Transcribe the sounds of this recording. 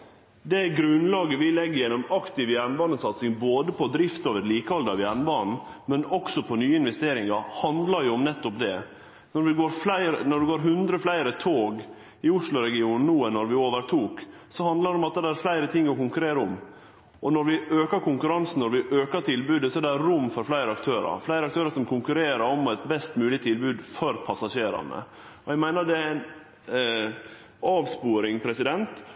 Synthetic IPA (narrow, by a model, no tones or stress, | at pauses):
d̪ɛɡɾʉnːlɑːɡəʋɪlɛɡːəɾjɛnːɔmɑkt̪ɪʋjæɾɳbɑːnəsɑt̪sɪŋboːd̪əpʰɔd̪ɾɪft̪oːʋəɾliːkəɔld̪əɑʋjæɾɳbɑːnn̩mɛnɔksɔpʰɔnyːəɪnʋɛst̪eːɾɪŋɑɾhɑnd̪lɑɾjʊɔmnɛt̪ːɔpd̪ɛ̰ | nɔɾʋɪɡoːɾflæɪɾənɔɖɛɡoːɾɦʉnd̪ɾəflæɪɾət̪ʰoːɡ | ɪʊʂlʊɾɛɡɪuːnn̩nuːɛnːɔɾʋɪoːʋəɾt̪ʰuːk | sɔhɑnd̪ləɾdɛɔmɑt̪̚d̪ɛd̪ɛæɾflæɪɾət̪ʰɪŋːɔkʊŋkʉɾeːɾəɔm | ʔɔnɔɾʋɪʔøːkɑɾkʰʊŋkʉɾɑnsn̩ɔɾʋɪʔøːkəʈ̪ʰɪlbʉːd̪əsɔɛɖɛæɾɾʊmːfɔɾflæɪɾəɑkt̪ʰøːɾɑ̰ɾflæɪɾəɑk̚t̪øːɾɑɾsɔmkʰʊŋkʉɾeːɾəɾɔmɛt̪bɛst̪mʉːlɪt̪ʰɪlbʉːd̪fɔɾpʰɑsɑʂeːɾɑ̰nə̰ | ɔæɡmæɪnəd̪ɛæɪn | ɑːʋspuːɾɪŋpʰɾɛsɪd̪ɛnt̪